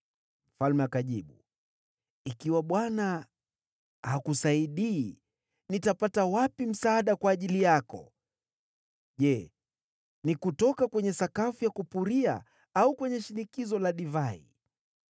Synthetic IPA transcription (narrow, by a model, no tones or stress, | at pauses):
m̩falmɛakaʄiɓu | ikiwaɓwana | hakusaiɗiː | nitapatawapim̩saːɗakwaːʄilijakɔ̰ | ʄɛ | nikutɔkakwɛɲɛsakafujakupuɾia̰ | aukwɛɲɛʃinikizɔlaɗivaḭ